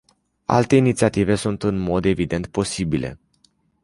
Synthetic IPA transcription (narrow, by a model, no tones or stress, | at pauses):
a̰lt̪e̞init̪siat̪ive̞sunt̪ɨnmo̞d̪e̞vid̪e̞nt̪̚po̞sibilʔe̞̰